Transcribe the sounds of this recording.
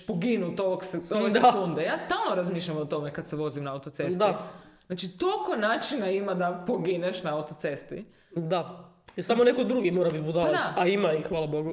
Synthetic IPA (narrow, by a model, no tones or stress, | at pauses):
poɡinut̪oʋoksoʋeseakund̪ejaːst̪aːlno̞ɾazmiʃʎamot̪o̞mekad̪seʋo̞zimnaaut̪ot̪sed̪aznaːt͡ʃit̪okonaːt͡ʃinaimad̪apoɡineʃnaawt̪ot̪sest̪ḭ | d̪aɛsamonekod̪ɾuɡimoːɾabit̪bud̪ad̪aaimaixʋaːlˠaboɡu